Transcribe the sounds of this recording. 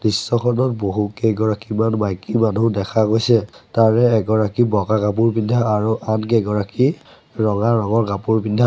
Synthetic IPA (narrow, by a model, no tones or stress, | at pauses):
disːɔkʰɔnɔt̚boɦukeɡɔɹakimanbajkimanudɛkʰaɡojsɛtaɹɛɛɡɔɹakibɔɡaɡap̬uɹbindʱaːɹuʔankeɡɔɹaki | ɹɔŋaɹɔŋɔɹɡapuɹbindʱa